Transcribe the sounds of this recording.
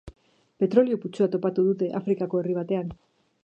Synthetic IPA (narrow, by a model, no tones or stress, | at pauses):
pe̞t̪ɾo̞lioput͡suat̪o̞pat̪uðut̪e̞ʔafɾikako̞e̞riβ̞at̪e̞an